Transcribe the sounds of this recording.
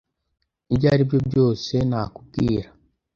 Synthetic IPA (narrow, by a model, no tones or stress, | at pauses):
ibɟaːɾibjobjo̞ːse̞nakubɡḭːɾa